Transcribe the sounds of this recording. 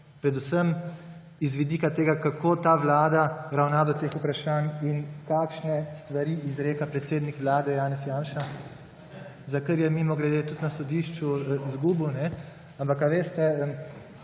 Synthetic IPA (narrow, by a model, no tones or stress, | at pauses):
pɾɛd̪usəm | izʋid̪iːkat̪eːɡakakoːt̪aːʋlaːd̪aɾawnaːd̪ɔt̪eːxupɾaʃaːninkaːkʃnɛst̪ʋaɾiːizɾeːkapɾɛt̪seːd̪nikʋlaːd̪ɛjaːnɛsjaːnʃa | zakəɾjɛmimɔɡɾɛd̪et̪ut̪nasɔd̪iːʃt͡ʃuzɡuːbunɛ | ampakaʋeːst̪ɛəm